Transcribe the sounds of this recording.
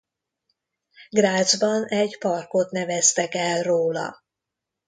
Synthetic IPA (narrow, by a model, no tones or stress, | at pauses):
ɡraːzbɒnɛɟpɒrko̞t̪nɛvɛst̪ɛkɛlroːlɒ̰